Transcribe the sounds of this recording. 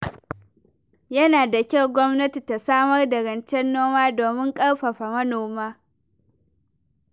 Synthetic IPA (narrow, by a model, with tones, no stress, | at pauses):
jɐ˦naː˨da˨kʲɐ˦wɡʷɔ˦mnɐ˦ti˨ta˨saː˦mɐ˦rda˨ɾɐ˨nt͡ʃɛ˦nːoː˦maː˦doː˨mɪ˦ŋkʼɐ˦ɽɸɐ˨ɸa˨mɐ˦noː˨maː˦